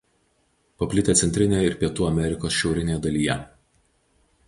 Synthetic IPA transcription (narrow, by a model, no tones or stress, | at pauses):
pɐpʲlʲɪt̪ʲet̪sʲɛnʲt̪ʲɾʲɪnʲejɪɾpʲiɛt̪uːɐmʲɛɾʲɪkoːsʃʲɛʊɾʲɪnʲeːjɛd̪ɐlʲiːjɛ